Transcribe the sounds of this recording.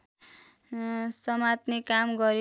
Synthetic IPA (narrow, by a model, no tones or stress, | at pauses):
sʌmat̪nikamɡʌɾi